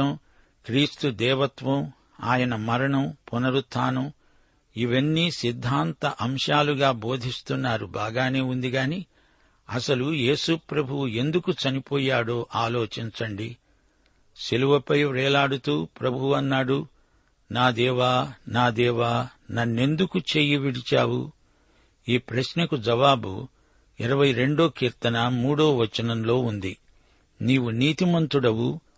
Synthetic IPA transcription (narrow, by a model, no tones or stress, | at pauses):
ɐm | kɾiːst̪ud̪ɛːʋɐt̪ʋɐm | aːjɐnɐmɐɾɐɳɐmpunɐɾut̪ʰaːnɐm | iʋɐnːisid̪ʱːaːnt̪ɐʔɐmʂaːluɡaːbo̞ːd̪ʱist̪unːaːɾubaːɡaːne̞ːund̪iɡaːni | ɐsɐluje̞ːsupɾɐbʱuwue̞nd̪ukut͡ʃɐnipoːjaːɽoːʔaːlo̞ːt͡ʃiɲt͡ʃɐɳɖi | ʃiluʋɐpɐjɾɛːlaːɽut̪uːpɾɐbʱuɐnːaːɽu | naːd̪ɛːʋaːnaːd̪ɛːʋaː | nɐnːe̞nd̪ukut͡ʃe̞ːjiʋiɽit͡ʃa̰ːwṵ | iːpɾɐʃnɐkud͡ʒɐʋaːbṵ | iɾɐʋɐjɾe̞ɳɖo̞ːkiːɾt̪ɐnɐmuːɽo̞ːʋɐt͡ʃːɐnɐmlo̞ːund̪i | niːʋuniːt̪imɐnt̪uɽɐwu